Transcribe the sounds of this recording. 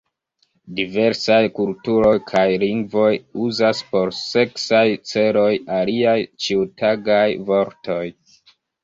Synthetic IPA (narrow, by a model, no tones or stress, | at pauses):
dive̞ɾsajkultuɾo̞jkʰajliŋɡvo̞juzaspo̞ɾse̞ksajt͡se̞ɾo̞jaliajt͡ʃiutaɡajvo̞ɾto̞j